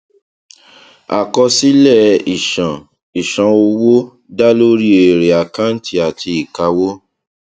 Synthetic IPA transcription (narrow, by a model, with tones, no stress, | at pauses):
a̰˨kɔ˧si˦lɛ˦˨i˨ʃã˨ | i˨ʃã˨o˧wo˦ | da˦lo˦ɾi˦e˨ɾe˨a˨kã˦n̩˦tʰi˧a˨ti˧˦i˨ka˧wo˦